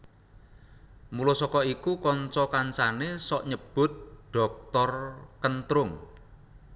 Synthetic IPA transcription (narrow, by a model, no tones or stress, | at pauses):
mulosɔkɔikukɔnt͡ʃɔkansanesɔʔɲəb̥ʊ̤t̪̚ɖ̥ɔ̤k̚t̪ɔrkənt̪ɾʊŋ